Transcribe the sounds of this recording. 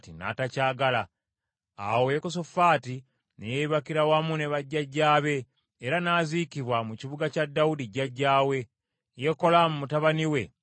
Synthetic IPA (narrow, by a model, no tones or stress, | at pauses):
tina̰tacaːɡala | a̰wojekos̬ofaːti | nejeiβakiɾawamune̞βaɟːaɟːaːβe̞ː | ɾanaːzikiβwamuciβuɡacadːawudiɟaɟːaːwe̞ | je̞ko̞lamumutaβaniwe̞